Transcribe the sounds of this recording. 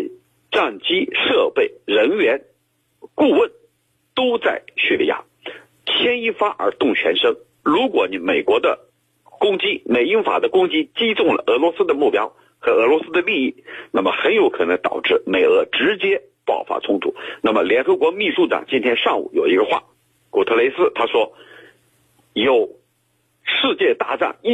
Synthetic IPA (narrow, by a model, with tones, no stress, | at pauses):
ʈ͡ʂɑ˥˩ŋt͡ɕi˥ʂɤ˥˧pe˥˩ɪɻə˧˥nɥɛ˧˥n | ku˥˧wə˥˩n | t̪o˥ʊt͡sa˥˧ɪɕy˥˧lḭ˥˧˩ja̰˥˩ | t͡ɕʰjɛ˥ni˥˧fa˥ʔə̰˞˧˥t̪ʊ˥˩ŋt͡ɕʰɥɛ̰˧˥nʂɤ˥ŋ | ɻu˧˥kwɔ˧˥ni˧˥me˨˩ɪkwɔ˧˥d̪ə̰˧ | kʊ˥ŋt͡ɕi˥me˨˩ɪi˥ŋfa̰˨˩d̪ə˦kʊ˥ŋt͡ɕi˥t͡ɕi˥t̪ʊ˥˩ŋlə̰˩ʔɤ˧˥lwɔ˧˥sɹ̩˥d̪ə˨mu˥˩pjɑ˥ʊ | xɤ˧˥ɤ˧˥lwɔ˧˥sɹ̩˥d̪ə˧li˥˧i˥˩na˥˩mə˩xə˧˥njo˧˥ʊkʰɤ˨˩nɤ˧˥ŋt̪ɑ̰˨˩ʊʈ͡ʂɻ̩˥˩me˨˩ɪɤ˧˥ʈ͡ʂɻ̩˧˥t͡ɕjɛ˥ | pɑ˥˩ʊfa̰˥t͡sʰʊ˥ŋt̪ʰṵ˨˩˦na˥˩mə˩ljɛ˧˥nxɤ˧˥kwɔ˧˥mi˥˧ʂu˥ʈ͡ʂɑ̰˨˩˦ŋt͡ɕi˥nt̪ʰjɛ˥nʂɑ˥˩ŋṵ˨˩jo˨˩ʊi˧˥ɡə˧xwa̰˥˩ | ku˨˩t̪ʰɤ˥˧le˧˥ɪsɹ̩˥t̪ʰa˥ʂwɔ˥ | jo˨˩ʊ | ʂɻ̩˥˧t͡ɕjɛ˥˧t̪a˥˧ʈ͡ʂa̰˥˩ŋ˥